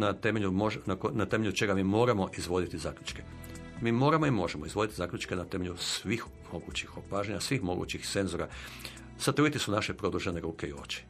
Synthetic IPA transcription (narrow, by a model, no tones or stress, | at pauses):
nat̪emeʎumoʒnakonat̪e̞me̞ʎut͡ʃe̞ɡamiːmo̞ːɾamo̞ʔizʋo̞d̪it̪izaːkʎʲut͡ʃke | miːmo̞ːɾamo̞imo̞ʒemoizʋo̞d̪it̪izaːkʎʲut͡ʃkenat̪emeʎʲusʋix | mo̞ɡuːt͡ɕixopaːʒeɲasʋixmo̞̰ɡṵːt͡ɕixt̪se̞nzoɾa | sat̪ɾuit̪isunaʃepɾo̞d̪uʒeneɾuːke̞ḭo̞̰t͡ʃi̥